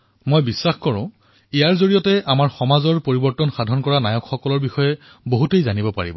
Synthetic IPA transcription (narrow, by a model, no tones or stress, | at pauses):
mojbisːaxkɔɹʊ̃ | ijaɹzoɹijɔtɛʔamaɹxɔmazɔɹpoɹibɔɹtɔnxadʱɔnkɔɹanajɔkxɔkɔlɔɹbixɔjɛ | boɦutejzanibɔpa̰ɹibɔ